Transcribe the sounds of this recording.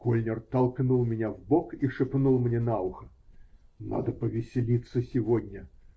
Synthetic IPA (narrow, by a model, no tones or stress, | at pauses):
kɔlʲnʲɛrt̪ɐlˠknulˠmʲɪnʲavbɔkiʂɨpnulˠmnʲɛnawxɐ | na̰d̪ɐpɐvʲɪsʲɪlʲit̪sːəsʲivɔd̪ʲnʲɐ